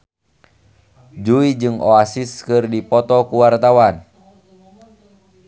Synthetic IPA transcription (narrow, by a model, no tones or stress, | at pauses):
d͡ʒuid͡ʒɨŋoasiskɨrdipɔt̪ɔkuwart̪awan